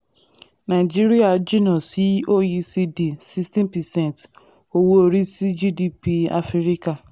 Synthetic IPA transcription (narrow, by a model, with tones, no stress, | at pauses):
na˨d͡ʒi˦ɾi˦a˦˨d͡ʒi˦nɔ˨si˨˦o˦˨ji˧si˧di˨si˦stĩ˦npɛ˨sɛ̃˦˨nt | o˨wo˦o˧ɾi˦si˦d͡ʒi˦di˦pi˧a̰˦fi˦ɾi˦ka˨